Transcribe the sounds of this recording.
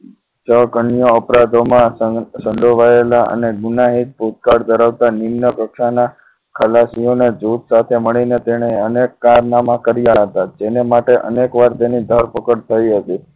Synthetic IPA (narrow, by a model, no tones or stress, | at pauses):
t͡ʃəkəɳijoəpɾad̪ʱomãsə̃ɳɖoʋaelaʔə̰neɡunaɦit̪̚put̪̚kaɽd̪əɾaʋt̪animnəkəkʃana | kʰəlasijoned͡ʒut̪sat̪ʰeməɭinet̪eɽ̃eənekːaɾnamãkəɾijaɦət̪ad͡ʒenemaʈeʔə̰nekʋaɾt̪enid̪ʱəɾpəkəɽt̪ʰəiɦət̪i